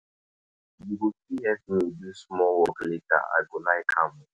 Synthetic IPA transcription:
jiɾupiɛfnedusmɔlwɔkleta̰a̰ɡʊlaɪkʰamʊ

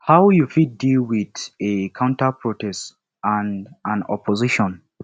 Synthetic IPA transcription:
hawjufit̚dilwiðekʰãʊ̃ntapʰɹotʰɛst | ãnãnɔ̰pʰɔziʃɔ̃n

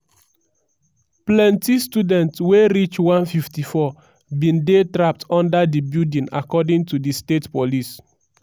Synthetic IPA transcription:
plɛ̃ntistudɛ̃ntweɾit͡ʃwãnfiftifɔ | bĩndetɹap̚tʰɔ̃ndadibudĩna̰kɔdĩŋtudistetpolis

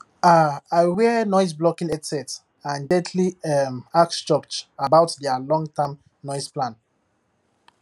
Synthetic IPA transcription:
aaɪwɛnɔɪs̬blɔkĩŋɛdsɛt | ãndɛtʰliɛmakst͡ʃɔkt͡ʃabaʊtdɛlɔ̃ŋtɛm | nɔɪsplãn

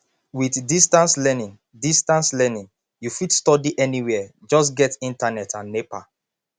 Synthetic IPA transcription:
wiθdistãnslɛnĩŋ | distãnslɛnĩŋ | jufitstɔdiʔɛniwɛd͡ʒɔsɡɛtĩntanɛtʰãnːepa̰

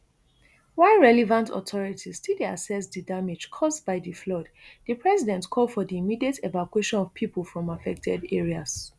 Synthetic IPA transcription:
waɪɹɛlɛvãntʰɔ̰tʰɔɹitʰisdidea̰sɛsdidame̥d͡ʒkʰɔsbaɪdiflɔddɨpʰɹɛzidɛ̃ntkʰɔldfɔdiːmidietʰɛvakweʃɔ̃nɔv̥pʰipəl̩ˠfɹɔ̃mafɛk̚tʰɛdeɹias

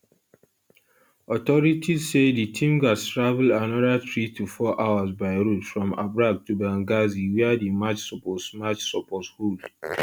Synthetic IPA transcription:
ɔtɔɹitʰizseditʰĩmɡastɹavl̩ãnɔdaθɹitʰufɔʔawazbaɪɹutfɹɔ̃ma̰bɹak̚tubãŋɡaziwɛadimat͡ʃsɔpɔsmat͡ʃsɔpɔshold

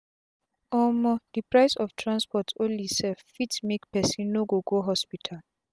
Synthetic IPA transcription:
ɔmɔd̥ipɹajsɔftʰɹãnspɔtʰonlisɛfitmekpɛsĩnːoɡoɡoɦɔspitʰal

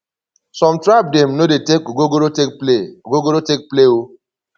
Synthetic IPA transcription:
sɔmtɾap̚demnodetekoɡoɡoɾotek̚eoɡoɡoɾotek̚pleo

